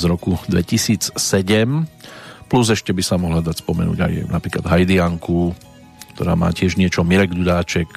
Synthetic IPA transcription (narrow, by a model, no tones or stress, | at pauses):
zɾɔkud̪ʋɛ̰cisiːt͡ssɛɟɛm | pluzɛʃcɛbisamɔɦlad̪acspɔmɛ̰nṵːɟa̰jnapɾiːklad̪ɦajd̪iaŋku | kt̪ɔɾa̰ːma̰ːcɪɛʒɲɪɛt͡ʃɔmiɾɛɡd̪ud̪aːt͡ʃɛk